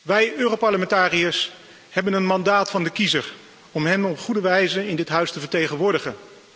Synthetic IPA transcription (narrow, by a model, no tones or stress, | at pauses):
ʋɛjøːrowpɑɹləmɛntaːriəs | hɛbənənmɑndaːtfɑndəkizəɹ | ɔmɦɛnɔpχudəʋɛjzəɪndɪtɦœɥstəvəɹtejχənʋʊːɹdəχən